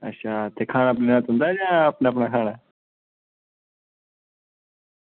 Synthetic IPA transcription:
ɐ̰ɕʰaːt̪ekʰaːnaplenat̪ũnd̪aːd͡ʒãːɐpnapnakʰaːna

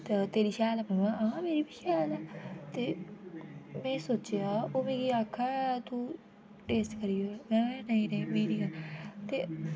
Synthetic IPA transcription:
t̪et̪eːɾiːʃɛːlɛːmɛ̃ːmããːmeːɾiːbiːʃʰɛːlɛːt̪eː | mɛ̃ːsoːt͡ʃeaːoːmẽːɡiːaːkʰːaːt̪uː | ʈeːsʈkəɾiːoːmɛ̃ːɛ̃nəĩːnəĩːmeːɾiːãːt̪eː

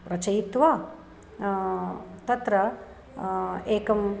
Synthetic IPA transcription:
ɾɐt͡ʃɐjt̪ʋaː | t̪ɐt̪ɾɐ | eːkɐm

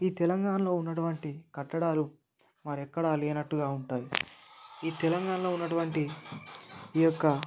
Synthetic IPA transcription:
iːt̪ɛlɐŋɡaːnɐlo̞ːunːɐʈuʋɐɳʈikɐʈːɐɽaːlu | mɐɾɛkːɐɽaːleːnɐʈːuɡaːuɳʈaːji | iːt̪ɛlɐŋɡaːnɐlo̞ːunːɐʈuʋɐɳʈi | jɔkːɐ

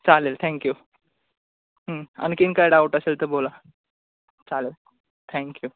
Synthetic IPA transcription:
t͡salelt̪ʰɛ̃ŋkju | ɦəə̰nkinkajɽawʈəselt̪əɾbola | t͡salel | t̪ʰɛ̃ŋkju

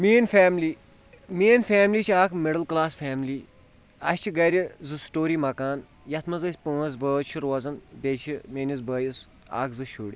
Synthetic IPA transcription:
meːnfeːmliː | meːnfaːmliːt͡ʃʰaːkʰmɪɽɐlklaːsfʰaːmliː | ɐsʲt͡ʃʰiɡɐɾʲizɨsʈoːɾiːmɐkaːn | jɐt̪ʰmɐzɐsʲpə̃ːzbəːt͡ʃʰiɾoːzɐnbet͡ʃʰimeːnʲiz̬bəːjis | a̰ːkʰzɨʃuːɽʲi

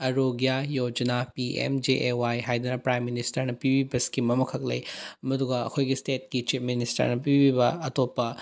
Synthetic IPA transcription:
ɐɾoɡjajod͡ʒɐnapiʔḛmd͡ʒeʔewajɦajd̪ɐnɐpɾajmːinistɐɾnɐpibibɐskimɐmɐkʰɐklɐ̰jmɐd̪uɡɐɐ̰kʰojɡisteːt̚kit͡ʃipʰministɐ̰ɾnɐpibibɐɐt̪opɐ

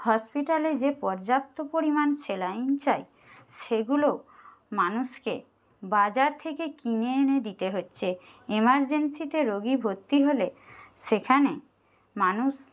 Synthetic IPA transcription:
hɔspiʈaled͡ʑepɔɾd͡ʑap̚t̪opoɾimanʃelaint͡ɕae | ʃeɡulo | manuʃkḛ | bad͡ʑaɾt̪ʰekekineened̪it̪eɦotːɕʰe | emaɾd͡ʑensit̪eɾoɡibʱot̪ːiɦoleʃekʰane | manuʃ

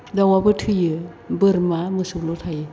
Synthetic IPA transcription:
dawabɯtʰɯjɯ | bɯɾmamɯsuklotʰajɯ

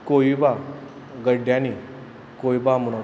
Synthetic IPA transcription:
koiba | ɡəɖjãni | kojbamuɽ̃o

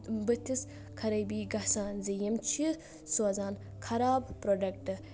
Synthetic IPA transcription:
bɨt̪ʰis | kʰɐɾɐjbiːɡɐsaːnzijɐmt͡ʃʰi | suɐzaːn | kʰɐɾaːbpɾoɖɐk̚ʈɨ

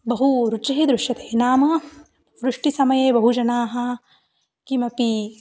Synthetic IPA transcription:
bɐɦuɾut͡ʃɐɦid̪ɾuʂjɐt̪e̥ːnaːmɐ | ʋɾuʂʈisɐmɐjeːbɐɦud͡ʒɐnaːɦɐ | kimɐpi

